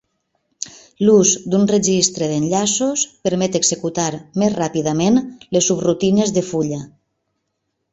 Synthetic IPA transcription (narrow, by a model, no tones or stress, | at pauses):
luzd̪unreʒist̪ɾeðenʎasospəɾmɛt̪eɡzekut̪aɾmezrapiðəmenlesːubrut̪inezðefuʎa